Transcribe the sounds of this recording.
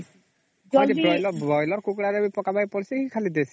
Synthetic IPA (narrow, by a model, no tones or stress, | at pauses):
ɔɾibɾɔjlɔbɔjlɔɾkukɽaɾebipɔkabaipɔɾsikikʰalid̪esi̥